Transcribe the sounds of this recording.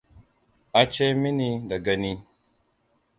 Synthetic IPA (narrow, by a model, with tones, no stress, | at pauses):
a˨t͡ʃe˦mi˦ni˦da˨ɡa˦ni˦